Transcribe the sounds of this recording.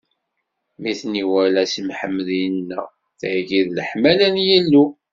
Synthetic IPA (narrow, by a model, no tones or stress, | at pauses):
miθniwælæsimħəmːlinːə̰ʁ | θʕɡiðləħmælænjælːu